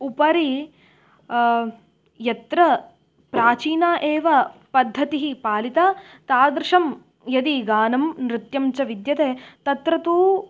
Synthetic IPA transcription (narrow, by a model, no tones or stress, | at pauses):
upɐɾi | jɐt̪ɾɐ | pɾaːt͡ʃiːnaːʔeːʋɐpɐd̪ʱːɐt̪iɦipaːlit̪a | t̪aːd̪ɾʂɐm | jɐd̪iɡaːnɐmnɾɪt̪jɐmt͡ʃɐʋid̪jɐt̪eːt̪ɐt̪ɾɐt̪uː